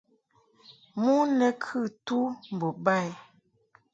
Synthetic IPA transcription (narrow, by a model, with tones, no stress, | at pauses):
mu˦nə˨kʰɨ˦˨tu˦m̩˨bo˨ba˦˨j